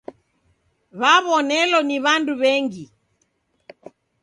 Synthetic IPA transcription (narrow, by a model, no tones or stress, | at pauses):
βaβɔnɛlɔniβanduβɛŋɡi